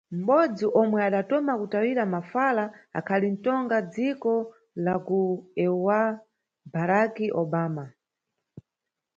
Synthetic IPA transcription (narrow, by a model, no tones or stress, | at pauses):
m̩ɓɔd͡ziʔɔmwɛaɗatɔmakutawiɾamafalaa̰kʰalin̩tɔŋɡad͡zikɔ | lakuɛwa | baɾakiʔɔɓaːma